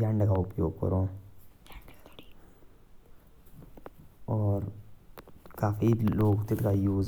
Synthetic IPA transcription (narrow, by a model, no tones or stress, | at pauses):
ãɳɖkaʊpjoːɡ̚kə̰ɾoː | ɔːɾ | kaːfiloːɡt̪ɪt̪kajuː